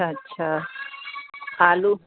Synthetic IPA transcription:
aətːɕʰa | aːlu

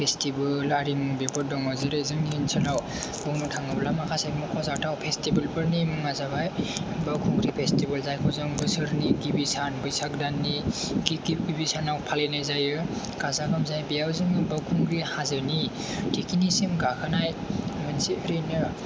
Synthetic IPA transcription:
pʰestibɯlaɾimɯbepɔdɔŋɔzɯɾezɯŋniinsʰɯlaw | bɯwnɔtʰaŋɯblamakʰasabmukʰɔzatʰawpʰestibɯlpɯɾnimɯŋazabajbawkʰuŋɡɾipʰestibɯlzajkʰɔzɯŋbɯsɯɾniɡibisanbɯjsak̚danːi | ɡiɡiɡibisanawpʰalenajzajɯ | kazakʰɯmzajbijawzɯŋibawkʰuŋɡɾihazɯni | tʰikinisemɡakʰɯnajmɯnsiɯɾɯjnɯ

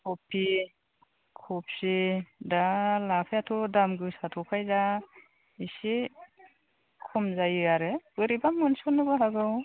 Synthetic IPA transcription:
kʰɔpʰi | kʰɔp̚sedalapʰajatʰɔdamɡɯsatʰɔkʰajza | ise | kʰɔmzajɯaɾɯbɯɾibamɯnsɔnːɯbaɦaɡɯw

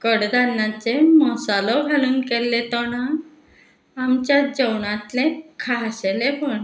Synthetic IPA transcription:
kəɽd̪anːat͡semɔsalɔɡʱaluːnkelːet̪ɔɽ̃ã | amt͡ɕjad͡ʑəwɳat̪lẽkʰaɦɕelepəɳ

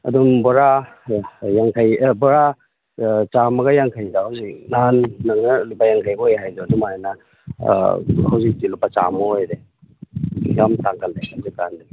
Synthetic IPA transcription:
ɐ̰dumbɔɾa | jaŋkʰajbɔɾa | t͡ʃamɐɡɐjaŋkʰajdɐhawzik̚nanːɐŋnɐlibajaŋkʰajboojɦajduɐdumajanɐ | hawzik̚tilupːɐt͡ʃa̰moojde | jamtaŋkʰɐldehawzikkandiɡi

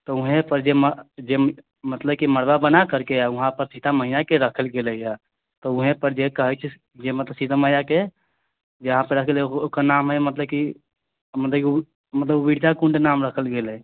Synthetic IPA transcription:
t̪ɔuɦẽpəɾd͡ʒeməd͡ʒe | mət̪ləbkiməɽbabənakəɾkeauɦãpəɾsit̪aməɦinakeɾəkʰəlɡelɛja | t̪ɔuɦẽpəɾd͡ʒekəɦɛt͡ʃʰɛ | d͡ʒemət̪ləbsit̪aməjake | d͡ʒeɦãpəɾɾəkʰəleokəɾnamɦɛmət̪ləb̚ki | mət̪ləbk | mət̪ləbubiɽd͡ʒakuɳɖnamɾəkʰəlɡelɛ

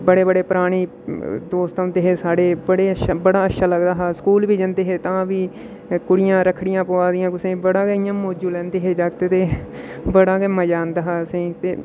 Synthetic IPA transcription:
bəɽeːbəɽeːpɾaːɽ̃iː | d̪oːst̪aːʊ̃nd̪eːɦeːsaːɽeːbəɽeːəʃaːbəɽaːətʃʰaːləɡd̪aːɦaːsə̥kuːlbiːd͡ʒə̃nd̪eːɦeːt̪ãːʋiː | kʊɽɪjãːɾəkʰɽɪjãːpoaːd̪ɪjãːkʊsẽːbəɽãːɡeːɪjãːmoːd͡ʒuːlɛ̃ːnd̪eːɦeːd͡ʒaːɡt̪eːt̪eːbəɽãːɡeːməd͡ʒaːnd̪aːɦaːəsĩːt̪eː

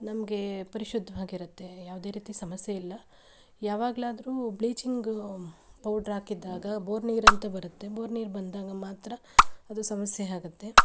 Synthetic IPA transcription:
nɐmɐɡe̞pɐɾiʃud̪ʱːɐʋaːɡiɾut̪ːe̞jaːʋud̪e̞ːɾiːt̪isɐmɐsjeilːɐ | jaːʋaːɡɐlaːd̪ɐɾuːbliːt͡ʃiŋɡ | pɐwɖɾaːkid̪ːaːɡɐboːɾniːɾɐnt̪ɐbɐɾut̪ːe̞boːɾniːɾbɐnd̪aːɡɐmaːt̪ɾɐɐd̪usɐmɐsjeaːɡut̪ːe̞

